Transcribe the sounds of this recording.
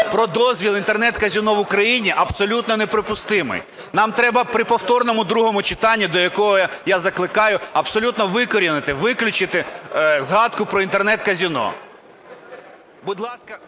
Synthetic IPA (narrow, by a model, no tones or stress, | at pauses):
pɾɔd̪ɔzʲʋʲilˠint̪ernɛt̪kɐzʲinɔʋʊkɾɐjinʲiʔɐbsɔlʲut̪nɔnepɾɔpʊst̪ɪmɪ̰j | nɑmt̪ɾɛbɐpɾɪpɔwt̪ɔrnɔmʊd̪ɾuɦɔmʊt͡ʃɪ̥t̪ɑnʲːid̪ɔjɐkɔɦɔjazɐklˠɪkɑjʊɐbsɔlʲut̪nɔʋɪkɔɾʲinɪt̪ɪʋɪklʲʊt͡ʃɪt̪ɪzɦɑd̪̚kʊpɾɔint̪ernɛt̪kɐzʲinɔ̰ | bʊd̪lˠɑskɐ